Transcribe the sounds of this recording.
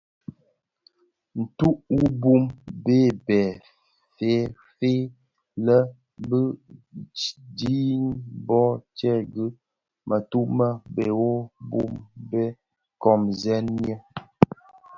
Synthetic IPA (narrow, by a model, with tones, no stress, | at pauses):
n̩˨tu˦ʔwu˦bu˦˨mbe˦˨bɛ˨ | fe˨˦ | fe˦ | lə˦ | bə˦ | di˦nbɔ˦t͡ʃɛ˦ɡə˦ | mə˨tu˦ʔmə˦be˨wo˦bṵ˦mbɛ˦ | kɔ˨mzɛ˦nɲ˦ə˦